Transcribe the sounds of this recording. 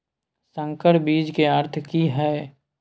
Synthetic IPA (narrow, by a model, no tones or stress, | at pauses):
sə̃ŋkəɾbiːd͡ʒkeəɾt̪ʰkiɦɛː